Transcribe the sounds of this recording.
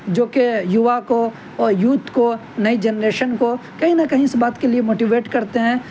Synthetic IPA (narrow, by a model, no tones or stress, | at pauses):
d͡ʒoːkejʊʋako | ɔːɾjuːt̪ko | nɐid͡ʒɛnɾeːʃənkokɐɦĩnɐkɐɦĩɪsbaːt̪keliemoːʈiʋeːʈkɐɾt̪eɦɛ̃ː